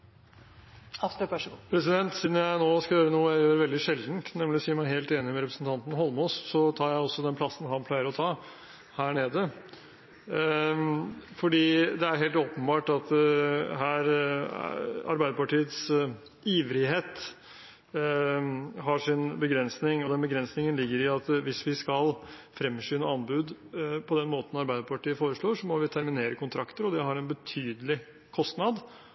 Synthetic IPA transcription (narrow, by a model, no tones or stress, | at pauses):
pʰɾɛsɪd̪ɛnt̪siːd̪n̩jæɪnoːskɑjøːɾənuːəjæɪjøːɾʋɛld̪ɪʂɛld̪n̩t̪nɛmlɪsiːmæɪheːlt̪eːnɪmɛɾɛpɾəsn̩t̪ʰɑnt̪n̩hɔlˠmɔsːɔt̪ʰɑːɾjæɪɔsːɔd̪ɛnpʰlɑsːn̩hɑnpʰlæɪəɾɔt̪ʰɑː | hæːɳeːd̪ə | fɔɖiːd̪ɛæɾɦeːlt̪oːpənbɑːʈɑt̪ɦæːɾ | ɑ̰ɾbæɪd̪əpɑʈiːət̪s | iːʋɾɪɦeːt̪ | ɦɑʂɪnbəɡɾɛnsnɪŋɔd̪ɛnbəɡɾɛnsnɪŋənlɪɡːəɾɪɑt̪ʋɪsʋɪskɑlfɾɛmːʂyːnəɑnbʉːd̪pʰɔd̪ɛnmoːt̪ən̩ɑɾbæɪd̪əpʰɑʈiːəfoːɾəʂɭoːʂɔmɔʋɪt̪ʰæɾmɪneːɾəkʰʊnt̪ʰɾɑkt̪əɾɔd̪ɛɦɑɾɛnbət̪ʰyːd̪əlɪ | kʰɔst̪nɑd̪